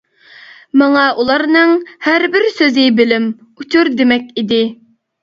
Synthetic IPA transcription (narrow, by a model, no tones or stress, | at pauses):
mɑŋɑʔulˠɑɾnɨŋhæɾbɪɾsøzɪbɪlɪm | ut͡ʃʰuɾd̪emɛkʲid̪ɪ